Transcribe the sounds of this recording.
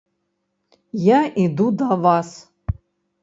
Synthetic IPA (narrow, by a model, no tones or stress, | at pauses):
jaʔid̪ud̪avas